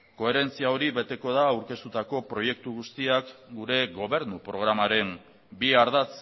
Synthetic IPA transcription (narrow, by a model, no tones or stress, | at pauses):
ko̞e̞ɾe̞nt͡siao̞ɾiβe̞t̪e̞ko̞ðaːwɾke̞st̪ut̪ako̞pɾo̞je̞k̚t̪uɣust̪iakɡuɾe̞ɣo̞βe̞ɾnupɾo̞ɣ̞ɾamaɾe̞n | biaɾðat͡s